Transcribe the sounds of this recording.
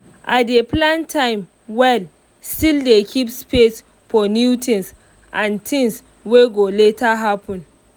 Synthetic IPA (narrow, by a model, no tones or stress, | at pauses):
ʔat̚deplãntʰãɪ̃m | wɛl | stildekʰipspes | fɔnjutʰĩns | ʔãntʰĩŋs | weɡoletʰaɦapʰɔ̃n